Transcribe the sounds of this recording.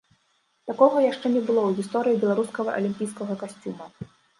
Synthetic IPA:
t̪akɔɣɐjaʂt͡ʂɛnʲɛbɨlˠɔwɣʲist̪ɔɾɨjibʲɛlˠaɾuskɐɣɐʔɐ̰lʲimʲpʲijskɐɣɐkasʲt͡sʲumɐ

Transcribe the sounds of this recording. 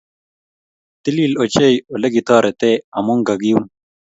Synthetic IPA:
t̪iliːlot͡ɕejolɐɡit̪ʰaːɾet̪eɐmuŋɡɐɡijum

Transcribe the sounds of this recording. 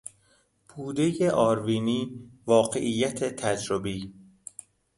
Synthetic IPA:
buːd̪e̞jeʔɒːɾviːniːvɒːɢe̞̰ʔijːæt̪ʰet̪ʰæd͡ʒɾobiː

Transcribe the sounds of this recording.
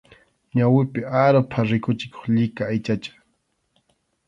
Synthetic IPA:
ɲawɪpɪaɾopʰaɾɪkʊt͡ʃɪko̥χʎɪkaːjt͡ʃat͡ʃḁ

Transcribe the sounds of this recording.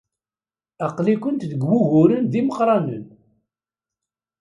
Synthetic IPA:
ɑqlikʷənt̪ðəɡwuɣʊɾənðiməqɾˤɑnə̰n

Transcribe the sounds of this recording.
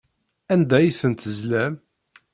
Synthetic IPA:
ænd̪æjθənt̪əzlæm

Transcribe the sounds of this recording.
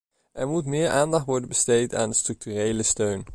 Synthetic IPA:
ʔɛɹmutmɪːɹʔaːndɑχtʋɔɹdənbəstejta̰ːndəstrɵk̚tyːrejləstøɥn

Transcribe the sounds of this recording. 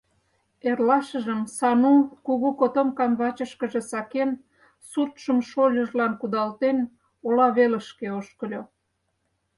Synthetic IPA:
erlɑʃə̆ʒəmsɑnukuɣukot̪omkɑmβɑt͡ɕəʃkəʒe̽sɑken | sut̪ʃəmʃolʲəʒlɑnkud̪ɑlt̪en | olɑβelə̆ʃkeoʃkəlʲo

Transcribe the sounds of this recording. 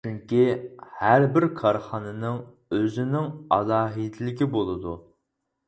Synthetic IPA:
t͡ʃʰyŋkʲihæɾbɪɾkʰɑɾχɑnɨnɨŋ | øzɪnɪŋɑzɑːɦid̪ɪlɪɡʲibolˠɨd̪u

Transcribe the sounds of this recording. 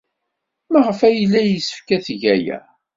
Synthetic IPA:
mæʁəfæjəlːæjəsə̥fkæθʝæjæ̰

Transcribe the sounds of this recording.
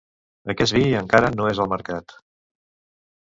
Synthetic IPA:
əkɛsβiəŋkaɾənoezəlˠməɾkat̪

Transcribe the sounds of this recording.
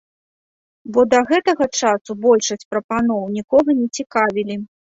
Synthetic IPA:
bɔd̪ɐɣɛt̪ɐɣɐt͡ʂasubɔlʲʂɐsʲt͡sʲpɾɐpanɔwnʲikɔɣɐnʲɛt͡sʲikavʲilʲi

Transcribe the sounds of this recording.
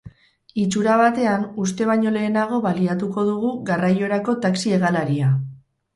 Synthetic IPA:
it͡ʃuɾaβat̪e̞anus̬t̪e̞β̞aɲo̞le̞ːnaɣ̞o̞βaliat̪uko̞ðuɣuɣarajo̞ɾako̞t̪aksie̞ɣalaɾia

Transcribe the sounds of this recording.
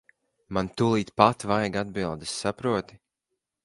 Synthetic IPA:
mant̪ulˠiːt̪pat̪vajɡad̪bilˠd̪ɨsːapɾuɔt̪i̥

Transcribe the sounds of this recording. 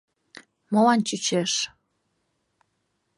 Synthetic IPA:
molɑnt͡ɕyt͡ɕeʃ

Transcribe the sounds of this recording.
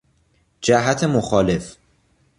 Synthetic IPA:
d͡ʒæɦæt̪ʰemoxɒːle̞f

